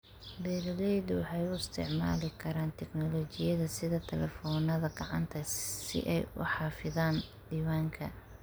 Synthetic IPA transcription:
bɛːɾlɛjd̪wɑħɑjʊɪst̪ʰɪ̰ʕma̰ːlɪkʰɐɾaːnt̪ʰɛɡnɔlɔːt͡ʃɪjɐðɐsɪðɐt̪ʰɛlɛfɔːnɐðɐɡɐʕɑ̰nt̪ʰɐsɪ̰ʔɛjʊ̰ħɑːfɪðaːn | d̪iːwaːŋkʰɐ̰

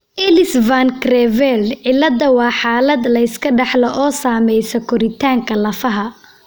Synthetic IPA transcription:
ʔɛlɪsvaŋkrɛvɛlʕɪlːɐd̪ɐwɑːħaːlɐd̪lɐɪskʰɐɖɑħlɐʔɔːsaːmɛjsɔkʰɔɾɪt̪ʰaːŋkʰɐlɐfɐɦɐ

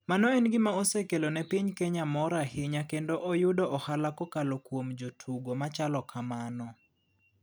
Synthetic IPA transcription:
manɔɛnɡɪmaosɛkelonɛpiɲkɛɲamɔɾahɪɲakendoʔɔjʊdɔʔɔhalakɔkalokwomd͡ʒotʰuɡomat͡ʃalɔkʰamanɔ

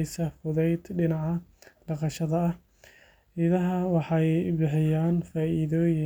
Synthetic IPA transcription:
jsɐfʊðɛjd̪ɖɪnɑʕɑɖɑqɑʃɐðɐɐh | ɪðɐɦɐwɑħɑjbɪħɪjaːnfaːʔiðɔːjɪ

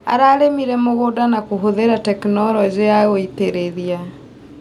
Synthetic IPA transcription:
a̰ɾaːɾemiɾɛmoɣoːdanakoɦoðeɾatɛknɔɾɔd͡ʑeaɣoiteɾeðia

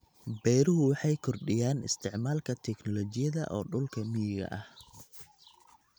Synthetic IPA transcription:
bɛjɾʊɦʊwɑħɑjkʰɔrɖɪjaːnɪ̰st̪ʰɪʕmaːlkʰɐt̪ʰɛknɔlɔːt͡ʃɪjɐðɐ̰ʔɔ̰ːɖʊlkʰɐmɪjɪɣɐ̰ʔɐh

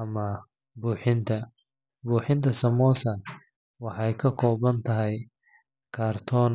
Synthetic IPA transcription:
ɐmɐ | buːħɪnt̪ʰɐ | buːħɪnt̪ʰɐsɐmɔːsɐ | wɑħɑjkʰɐkʰɔːβɐnt̪ʰɐɦɛj | kʰaːrt̪ʰɔːn

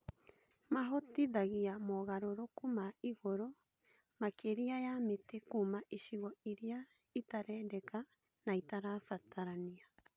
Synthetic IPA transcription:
maɦotiðaɣiamɔɣaɾoɾokumaiɣoɾo | makeɾiajametekumaʔiʃiɣɔiɾia | itaɾɛːndɛka | naitaɾafatʰaɾania

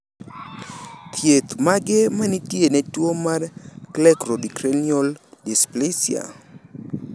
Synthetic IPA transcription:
t̪ʰjet̪maɡemanitjenɛtwomadklɛkrodikɾeniɔldisplesja̰

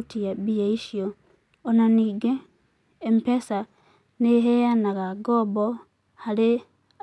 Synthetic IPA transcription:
tijabijaiʃjo | onaniɡeː | mpesa | neɦejanakaɡobo | hale

